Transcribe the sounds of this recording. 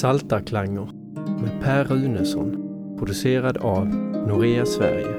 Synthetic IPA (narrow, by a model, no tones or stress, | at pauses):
salt̪akʰlaŋːəɾ | mɛpʰæːɾʉ̟ːnəsɔ̰n | pʰɾʊd̪ɵseːɾad̪avnʊɾeːasvæ̰ɾjə̰